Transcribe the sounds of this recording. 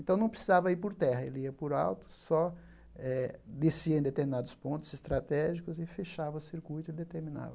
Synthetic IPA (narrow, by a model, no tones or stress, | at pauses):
ẽnt̪ɐ̃w̃nɐ̃w̃pɾesizavɐiɾpoɾt̪ɛhɐḛliɐpʊɾa̰wt̪ʊ̥sɔ | ɛd̪esiɐẽd̪et̪eɾminad̪ʊspõnt̪ʊz̥ɪst̪ɾat̪ɛʒikʊzɪfeʃavɐʊsiɾkujt̪ʊɪd̪et̪eɾmĩna̰vɐ